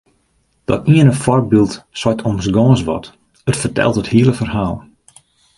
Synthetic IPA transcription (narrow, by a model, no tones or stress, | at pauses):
d̥ɔ̰tiənəfɔrk̚bilˠtsɔtʰɔmsɡɔːsʋɔ̰t | ətfərtɛ̰lˠtəthiələfərhaːlˠ